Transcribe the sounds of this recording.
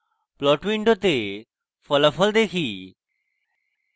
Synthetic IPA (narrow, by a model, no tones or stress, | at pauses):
plɔːʈʋiɳɖot̪e | fələfʰəld̪eːkʰiː